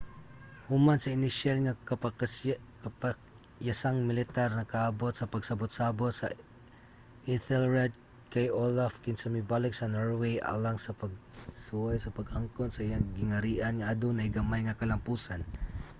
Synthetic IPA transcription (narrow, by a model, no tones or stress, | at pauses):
hʊmansɐɪnɪʃalŋak | kpak | jasaŋmɪlɪt̪aɾnɐkaʔabot̪̚sɐpɐɡsɐbot̪̚sabot̪sɐ̰ | ʔɪθɛlɹɛd̪̚ | kajolafkɪnsɐmɪbalɪksɐnoɹwejʔa̰laŋsɐpɐɡ̚suwajsɐpɐɡaŋkonsɐʔijaŋɡɪŋɐɾiːʔanŋaʔad̪ʊnajɡɐmajŋɐkɐlɐmpuːsan